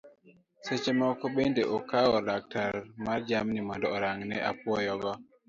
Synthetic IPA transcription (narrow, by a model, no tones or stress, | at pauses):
sɛt͡ʃɛmakɔɓendɛʔɔkawɔlak̚taɾmaɾd͡ʒamnimɔdɔɔɾaŋnɛʔa̰puwɔjɔɡɔ